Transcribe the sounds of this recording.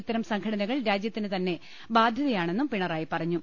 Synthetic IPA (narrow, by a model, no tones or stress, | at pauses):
it̪ːɐɾɐmsɐŋkʰɐɽɐnɐɣɐɭɾaːd͡ʑjɐt̪ːinɨt̪ɐnːe̞ | baːd̪ʱjɐðɐjaːɳe̞nːumpiɳɐraːjipɐrɐɲːu